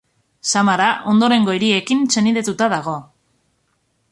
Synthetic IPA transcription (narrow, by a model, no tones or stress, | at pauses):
samaɾaʔo̞nd̪o̞ɾe̞ŋɡo̞iɾie̞kinse̞niðet̪ut̪aðaɣ̞o̞